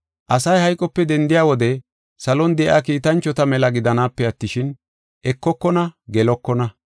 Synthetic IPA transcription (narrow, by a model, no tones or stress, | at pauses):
ʔɐsɐjhɐjkʼɔpːɛd̪ɛnd̪ɪjaːwɔd̪ɛ | sɐlɔnd̪ɛʔaːkiːt̪ɐnt͡ʃːɔt̪ɐmɛlɐɡɪd̪ɐnaːpːɛɐt̪ːɪʃɪn | ʔɛkːɔkːɔnɐɡɛlɔkːɔnɐ